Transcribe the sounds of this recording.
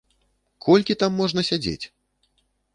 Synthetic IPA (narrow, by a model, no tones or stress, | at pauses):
kʰɔlʲkʲit̪amːɔʐnɐsʲad͡zʲḛt͡sʲ